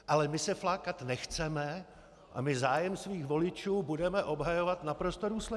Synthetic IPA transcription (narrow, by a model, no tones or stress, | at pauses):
ʔalɛmɪsɛflaːkat̪nɛxt͡sɛmɛ | ʔa̰mɪzaːjɛmsviːxvo̞lɪt͡ʃuːbudɛmɛʔo̞bɦajovat̪napɾo̞st̪oduːslɛ